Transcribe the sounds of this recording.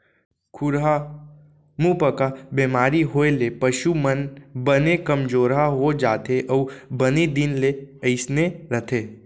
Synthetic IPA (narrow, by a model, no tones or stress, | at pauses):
kʰʊɾɦa | mũpəkabemaːɾiɦoːelepəʃumənbənekəmd͡ʒoːɾɦaɦod͡ʒaːt̪eʔɔːbənid̪ɪnleəɪsneɾət̪ʰeː